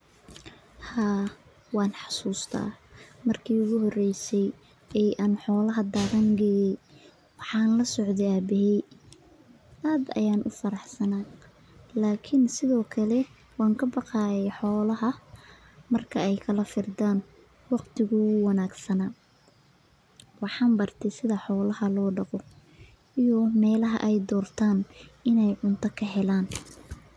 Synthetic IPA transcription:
haː | wɑːnħɑ̥suːst̪ʰɐ̰mɐrkʰiːʊɣʊɦɔrɛjsɛj | ɛjʔaːnħɔːlɐɦɐd̪aːɣɐŋɡɛjɛj | wɑħɑːnlɐsɔʕd̪ɛaːbɪɦɛj | ʔaːd̪ɐ̰jaːnʔʊ̰fɐɾɑħsɐnaː | laːkʰɪnsɪðɔːkʰɐlɛ | wɑːŋkʰɐbɑqɑːjɛjħɔːlɐɦɐ | mɐrkʰɐɛjkʰɐlɐfɪrd̪aːn | wɑqt̪ʰɪɣʊwɑnaːɡsɐnaː | wɑħɑːmbɐrt̪ʰɛsɪðɐħɔːlɐɦɐlɔːɖɑqɔ | ijɔmɛːlɐɦɐ̰ʔɛjd̪ɔːrt̪ʰaːnɪnɛjʕʊnt̪ʰɐkʰɐɦɛlaːn

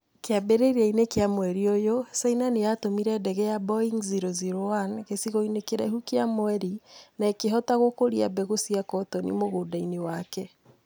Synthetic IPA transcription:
keabeɾeɾɛinekeamwɛɾiojosainanejatomiɾɛdɛɣɛjabɔiŋziɾoziɾoanɣesiɣoinekeɾɛ̰ɦukeamoɛɾinaekeɦɔtaɣokoɾia̰bɛɣosiakɔtɔnḭmoɣoːdainewakɛ

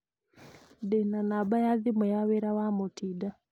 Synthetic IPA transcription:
dɛnanabajaðimɛjawɛɾawamutʰida

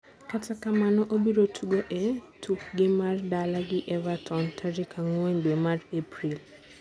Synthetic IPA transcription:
katakamanɔʔobiɾotʰuɡoʔɛtʰukɡɪmardalaɡɪʔɛvatʰɔntʰaɾikʰaŋwenbɛmarepɾil

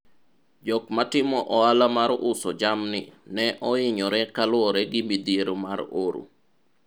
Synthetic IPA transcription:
d͡ʒɔkmatɪmɔʔɔalamaɾʔʊsɔd͡ʒamnɪnɛʔɔɪɲɔɾɛkalʊwɔɾɛɡɪmbid̪ieɾomaɾoɾṵ

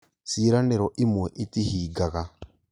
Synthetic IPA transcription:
siːɾaneɾoʔimweʔitihiːɡaɣa

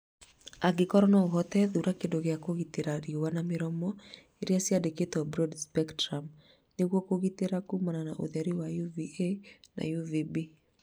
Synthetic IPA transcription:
aɡekɔɾɔnɔoɣɔtɛðuɾakendoɣeakoɣiteɾaɾiowanameɾɔmɔ | eɾiasjadeketɔbɾɔdspɛktɾam | neɣwɔkoɣiteɾakumananaʔo̰ðɛɾiwajuviena̰juvibi

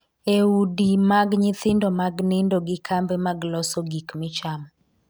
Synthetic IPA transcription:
eudimaɡɲɪt̪ɪndɔmaɡnɪndoɡɪkʰambɛmaɡlɔsɔɡikmɪt͡ʃam

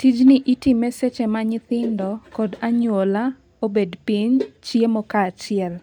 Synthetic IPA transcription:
tid͡ʒnɪʔitimeset͡ʃemaɲɪt̪ɪndɔkɔdaɲwola | obedpiɲt͡ʃjemɔkaːt͡ʃɪɛl

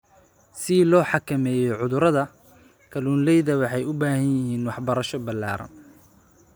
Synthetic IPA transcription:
sɪlɔːħɑkʰɐmɛːjɔʕʊðʊɾɐðɐ | kʰɐluːnlɛjðɐwɑħɑjʊbaːhɐnjɪɦiːnwɑħbɐɾɐʃɔbɐlːa̰ːɾɐ̰n

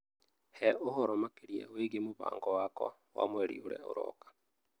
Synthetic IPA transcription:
heohoɾomakiɾjḛweɡemuβa̰ːŋɡowako̰ | wa̰mweɾḭuɾḛoɾo̰kḁ

